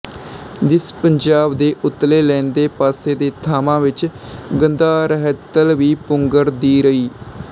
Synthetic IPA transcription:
d̪ɪspəɲd͡ʒaːbd̪eːʔʊt̪ːleːlɛ̃ːnd̪eːpaːseːd̪eːt̪ʰaːmãːʋɪt͡ʃɡənd̪aːɾəɦɛt̪əlʋiːpʊŋɡəɾd̪iːɾəiː

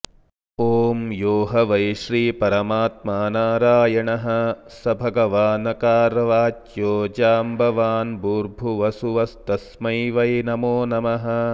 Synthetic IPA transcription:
oːmjoːɦɐʋɐjʃɾiːpɐɾɐmaːt̪̚maːnaːɾaːjɐɳɐɦɐ̆sɐbʱɐɡɐʋaːnɐkaːɾʋaːt͡ʃjoːd͡ʒaːmbʱɐʋaːnbuːɾbʱuʋɐsuʋɐst̪ɐsmɐjʋɐjnɐmoːnɐmɐɦɐ̆

